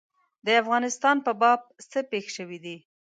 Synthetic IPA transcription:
d̪əafɣɑnɪst̪ɑnpəbɑb̚səpexʃəwid̪i

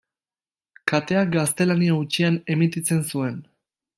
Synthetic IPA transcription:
kat̪e̞ak̚ɡast̪e̞laniaut͡ʃiane̞mit̪it͡se̞nsue̞n

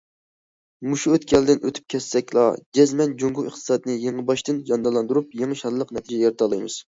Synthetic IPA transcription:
muʃuøt̪̚kʲʰiɛld̪ɪnøt̪ʰy̥p̚kʲʰɛsːɛkʲlˠɑ̰d͡ʒɛzmɛnd͡ʒoŋɡuɨχt̪ʰɨ̥sɑd̪ɨnɨjeŋɨbɑʃt̪ɨnjɑnd̪ɑlˠɑnd̪uɾup̚jeŋɨʃɑnlˠəqnɛt̪ʰid͡ʒɛjeɾt̪ʰɑlˠɨjmɨ̰z̥

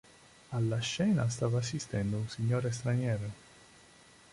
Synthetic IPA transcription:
alːaʃːɛːnas̬t̪aːvaːs̬ːist̪ɛnd̪ounsiɲːoːɾest̪ɾanjɛːɾo

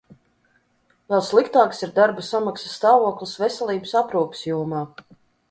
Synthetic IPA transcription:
vɛlˠslˠikt̪aːksiɾd̪aɾbasamaksasːt̪aːvuɔklˠisvɛsʲɛlˠiːbəsapɾuːpi̥sjuɔmaː

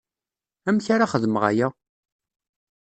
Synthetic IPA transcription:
æmçaɾaχəðəməʁa̰jæ

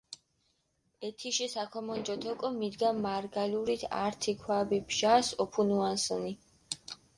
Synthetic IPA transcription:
ɛt̪ʰiʃisakʰɔmɔnd͡ʒɔt̪ʰɔkʼɔmid̪ɡamaɾɡaluɾit̪ʰa̰ɾt̪ʰikʰwabibʒasɔpʰunuansɔ̰ni

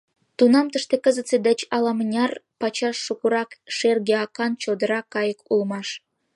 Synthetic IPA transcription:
t̪unɑmt̪əʃt̪ekəzət̪t͡sed̪ət͡ɕɑlɑmənʲɑrpɑt͡ɕɑʃːukuɾɑkʃerɡeɑkɑnt͡ɕod̪əɾɑkːɑjəkulmɑʃ

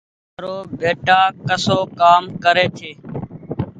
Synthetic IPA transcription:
ɾoːbeːʈaːkəsoːkaːmkəɾeːt̪ʰeː

